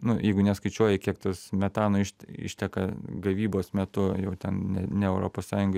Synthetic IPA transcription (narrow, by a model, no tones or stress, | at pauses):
nʊjɛɪɡʊnʲɛskɐɪt͡ʃʲuɔjɛkʲiɛkt̪osmʲɛt̪ɑːnoːɪʃtɪ̰ʃʲt̪ʲɛkɐɡɐʋʲiːboːsmʲɛt̪ʊjɛʊt̪ʲɛnnʲɛnʲɛɛʊɾo̰ːpoːssɑːjʊŋɡɐ